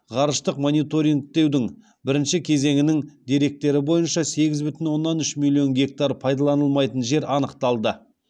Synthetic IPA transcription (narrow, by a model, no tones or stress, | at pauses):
ʁɑɾəʃt̪əqmo̞nijt̪o̞ɾʲiŋkt̪e̞wd̪ɪŋ | bɪɾɪnʃɪkʲʰe̞ze̞ŋɪnɪŋd̪e̞ɾe̞k̚t̪e̞ɾɪbo̞jənʃɑse̞ɡʲɪzbʏt̪ɪnwo̞nːɑnʏʃmilʲˠio̞nɡʲe̞k̚t̪aɾpʰɑjd̪ɑlˠɑnəlˠmɑjt̪ənʒe̞ɾɑnəqt̪ɑlˠd̪ə